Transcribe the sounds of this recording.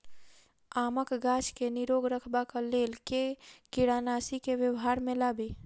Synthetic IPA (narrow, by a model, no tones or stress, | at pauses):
aməkɡat͡ʃkeniɾoɡɾəkʰbakalelkekiɽanasikeʋjəwɦaɾmelaːbe